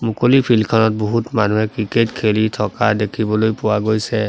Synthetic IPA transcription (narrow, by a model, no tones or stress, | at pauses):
mukolipʰilkʰɔnɔt̚boɦutmanuɦɛkɹiketkʰelitʰɔkadekʰibɔlojpʊwaɡojsɛ